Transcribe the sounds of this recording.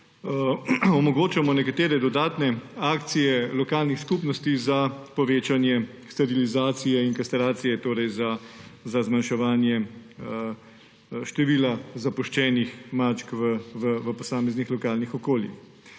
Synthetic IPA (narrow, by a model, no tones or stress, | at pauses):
ɔmɔɡoːt͡ʃamɔnɛkat̪eːɾɛd̪ɔd̪aːt̪nɛaːkt̪sijɛlɔkaːlnixskupnɔst̪izapɔʋeːt͡ʃanjɛ | st̪aɾilizaːt̪sijɛinkast̪ɛɾaːt̪sijɛt̪oːɾɛjzazazmanʃɛʋaːnjɛ | ʃt̪ɛʋiːlazapɔʃt͡ʃɛːnixmaːt͡ʃkʋəʋəʋəpɔsaːmɛznixlɔkaːlnixɔkoːljḭx